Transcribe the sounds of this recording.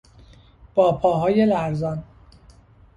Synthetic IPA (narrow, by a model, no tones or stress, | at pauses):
b̥ɒːpʰɒːɦɒːje̞læɾzɒn